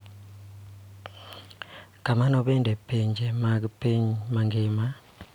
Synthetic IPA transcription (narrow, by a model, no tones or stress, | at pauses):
kamanɔɓɛndʱɛpʰend͡ʒʱɛmapɲmaŋɡeːma